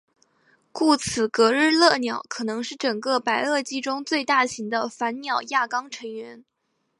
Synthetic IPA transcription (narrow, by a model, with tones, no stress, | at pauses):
ku˥˩t͡sʰɹ̩˨˩kɤ˧˥ɻɻ̩˥˧lɤ˥˩njɑ˨˩˦ʊkʰɤ˨˩nɤ˧˥ŋʂɻ̩˥˩ʈ͡ʂɤ˨˩ŋkɤ˥˧pa˧˥ɪɤ˥˩t͡ɕi˥ʈ͡ʂʊ˥ŋt͡swe˥˧ɪt̪a˥˩ɕi˧˥ŋd̪ə˧fa˧˥nnjɑ˨˩ʊja˥˩kɑ˥ŋʈ͡ʂʰɤ˧˥ŋɥɛ˧˥n